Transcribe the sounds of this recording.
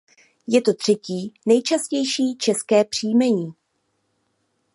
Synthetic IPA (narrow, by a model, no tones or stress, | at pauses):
jɛt̪o̞t̪r̝̥ɛciːnɛjt͡ʃascɛjʃiːt͡ʃɛskɛːpr̝̥iːmɛɲiː